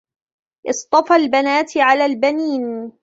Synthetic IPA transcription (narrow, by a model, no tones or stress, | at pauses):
ʔɨsˤt̪ˤɑfalbanaːt̪ʕalaːlbaniːn